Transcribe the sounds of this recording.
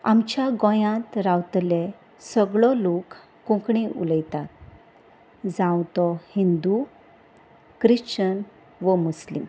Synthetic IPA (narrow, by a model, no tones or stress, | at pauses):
a̰mt͡ɕjaɡɔ̃jãt̪ɾawt̪le | səɡɭɔlokː | ũkɳiʔṵləjt̪at̪̚ | d͡zãwt̪ɔhind̪u | kɾiɕt͡ɕən | ʋəmuslim